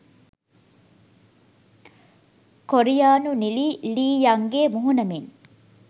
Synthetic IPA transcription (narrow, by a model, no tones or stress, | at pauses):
koɾijaːnuniliːliːjaŋɡeːmuɦunɐmin